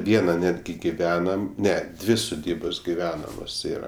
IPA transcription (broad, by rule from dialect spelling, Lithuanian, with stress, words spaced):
ˈʋʲiɛnɐ ˈnʲæːdʲɡʲɪ ɡʲɪˈʋʲæːnɐm ˈnʲɛ ˈdʲʋʲɪ sʊˈdʲiːboːs ɡʲɪˈʋʲæːnɐmoːs ˈiːrɐ